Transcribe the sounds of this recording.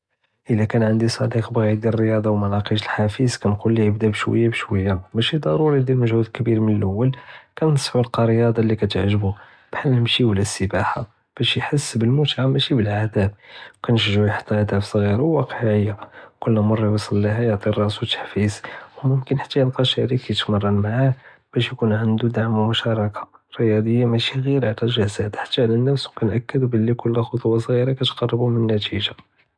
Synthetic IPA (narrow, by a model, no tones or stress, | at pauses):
ʔəlækænʕənd̪isˤɑd̪iqbɣæjd̪irəjɑd̪ˤɑwmɑnɑqiʃəlħafizkænqulːijəbd̪æbʃwə̰jːabʃwəjːamæʃid̪ˤɑɾuɾid̪ilməʒhud̪lkbiɾmənəlʔəwːəlkænsˤħulqɑɾəjɑd̪ˤɑlikæt̪əʕʒəbu | b̥ħaəmʃiwlæsːəbaħa | b̥æʃjħəsːbəlmʊt̪ʕaːæʃibəlʕad̪æb̚wkænʃəʒʕujħt̪ːæʕad̪æbsˤɣiɾawwɑqəʕəjːakʊlːæmʊrˤːɑwɑsˤɑlːiɦæjəʕt̪ˤirˤːɑswt̪ə̥ħfiswmʊmkənħḁt̪ːæjəlqɑʃæɾikːæt̪mɑrˤːɑnmaʕah | b̥æʃjkunʕənd̪ud̪aʕmwmʊʃɑɾˤɑkʰḁɾijɑd̪ˤəjːamæʃiɣiɾʕt̪æʒæzæt̪ħḁt̪ːaʕlænːəfswkænʔækːəd̪bəlːikʊlːæxot̪ˤwɑsˤɣiɾɑkæt̪qɑrˤːəbumənːæt̪ʰiʒa